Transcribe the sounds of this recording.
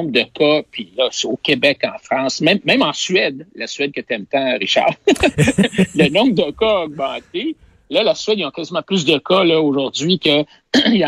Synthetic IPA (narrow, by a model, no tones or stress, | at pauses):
bʁd̪əkʰʌpʰilʌseokʲebɛkɑ̰̃ːfʁɑ̃ːsmɛ̃mːɛ̃mɑ̃sɥɛd̪lasɥɛd̪̚kət̪ɛmt̪ãʁiʃa̰ʁ | lənɔ̃bd̪əkʌɔɡ̚mɑ̃t̪e | lʌlasɥɛd̪ijɔ̃kazimɑ̃plys̬d̪əkʌlʌoʒʊʁzɥikʲə̃